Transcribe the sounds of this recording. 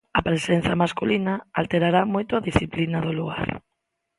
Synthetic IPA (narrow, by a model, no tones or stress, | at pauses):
ɐpɾesen̟θɐmaskulinɐalt̪eɾaɾamojt̪ʊaðisθiplinɐðʊluɣa̰ɾ